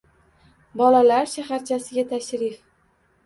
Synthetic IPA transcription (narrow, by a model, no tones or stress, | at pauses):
bɒlalaɾʃaɦaɾt͡ʃʰasɪɡʲat̪ʰaʃɾɪf